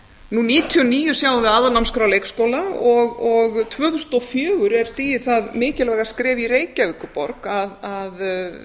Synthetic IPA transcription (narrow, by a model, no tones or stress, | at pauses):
nuniːt̪ʰiɔniːjʏsjaːwðɪaːðanamskɾawlejkskowlaɔɣɔɣt̪ʰvœːθusnɔfjœːɣʏɾɛɾ̥st̪iːjɪθaðmɪːcɪlvɛːɣḁskɾɛːvireːjcavɪkːʏpɔɾkaðað